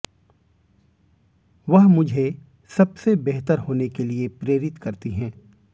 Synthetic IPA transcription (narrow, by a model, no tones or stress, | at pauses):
ʋɐɦmʊd͡ʒʱe | sɐbsebɛɦt̪əɾɦoːnekeliepɾeːɾɪt̪kɐɾt̪iɦɛ̃ː